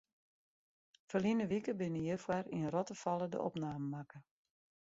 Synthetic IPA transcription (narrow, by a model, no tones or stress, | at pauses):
fəlinəʋikəbɪnəjəfwarḭnrɔtəfɑlˠədə̰ʔɔ̰pnaːməmakə